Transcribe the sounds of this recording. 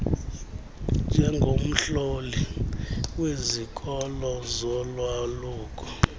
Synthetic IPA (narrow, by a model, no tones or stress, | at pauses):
nd͡ʒʱɛŋɡʱom̩ɬoli | wezikʰʼɔlɔzɔlwaluːkʰɔ̥